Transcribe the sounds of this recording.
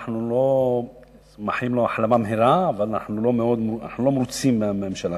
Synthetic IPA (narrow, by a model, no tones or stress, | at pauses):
ħnulo | maħjimlo̞aħlamamɦiɾaːvalana̰ħnulo̞meo̞d̪mana̰ħnulo̞mɾut͡simːeamemʃala